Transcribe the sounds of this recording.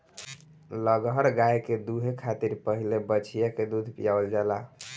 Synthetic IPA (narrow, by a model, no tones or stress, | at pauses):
ləɡɦəɾɡajked̪uɦekʰat̪iɾpəɦilebət͡ʃʰijaked̪ud̪ʱpijaəld͡ʒala